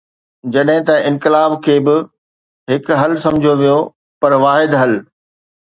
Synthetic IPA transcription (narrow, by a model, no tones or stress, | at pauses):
d͡ʑɐɗɦɪ̃t̪ɐɪ̃nkɪlaːbkʰeːbɪ | ɦɪkɦɐlsɐ̃md͡ʑʱijoʋijo | pɐɾʋaːɦɪd̪ɦɐl